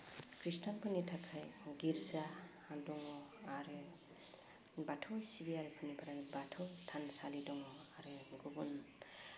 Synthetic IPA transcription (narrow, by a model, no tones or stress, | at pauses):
kɾistanpʰɯnitʰakʰajɡiɾzaː | dɔŋɔaɾe | batʰɔjsibiaɾepʰɯnipʰaɾajbatʰɔjtʰansalidɔŋɔaɾeɡubun